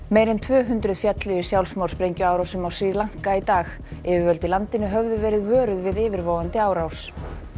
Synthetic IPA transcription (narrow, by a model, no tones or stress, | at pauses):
mejɾɪnt̪ʰvœːɦʏnt̪ɾʏðfjat̪lɪɪsjawlsmawrspɾejɲcʏaːwɾawsʏmawsilaŋ̥kait̪aːx | ɛvɪvœlt̪ɪlant̪ɪnʏɦœvðʏvɛːɾɪðvœːɾʏðvɪðɪːvɪɾvowant̪ɪaːwɾaws